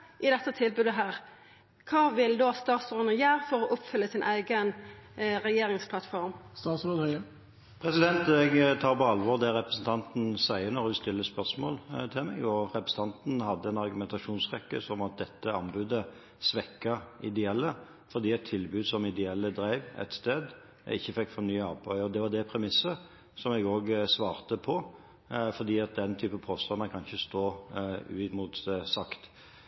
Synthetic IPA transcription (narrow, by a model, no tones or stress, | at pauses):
ʔɪd̪ɛt̪ːət̪ʰɪlbʉːd̪əɦæːʁ | kʰɑːʋɪld̪oːst̪ɑːt̪sɾoːd̪nəjæːʁfɔɾɔʔʊpfʏlːəsɪnʔæɪɡənʁɛjeːɾɪŋspʰlɑt̪fɔɾmst̪ɑːt̪sɾoːd̪ | pʰʁɛsɪd̪ɛnt̪ɛɡt̪ʰɑːʁpɔɑlʋɔʁd̪ɛʁɛpʁəsn̩t̪ʰɑnt̪n̩sæɪəɾnɔɾʁɛʋɪst̪ɪlːəspœʁsmo̰ːlt̪ʰɪlmɛ̰ɡɔʁɛpɾəsn̩t̪ɑnt̪n̩hɑd̪ːəɛnɑʁɡʉmɛnt̪ɑʃuːnsʁɛkːə̰sɔmɑt̪̚d̪ɛt̪ːəɑnbʉːd̪ə | sʋɛkːɑʔɪd̪ɛɛlːə | fɔʁd̪iːɛt̪ʰːɪlbʉːd̪sɔmɪd̪ɛɛlːəd̪ɾæɪʋɛ̰t̪st̪eːd̪ | æ̰ɪçːəfɛkːfɔɾnyːəɑːpʰœʏɔd̪ɛʋɑd̪ɛpʰɾɛmɪsːə | sɔmɛɡoːɡsʋɑːʁt̪əpʰɔ | fɔʁd̪iːɑt̪̚d̪ɛnt̪ʰyːpəpʰoːst̪ɑnəkʰɑnçəst̪oːʉ̰ːɪmuːt̪sɑkt̪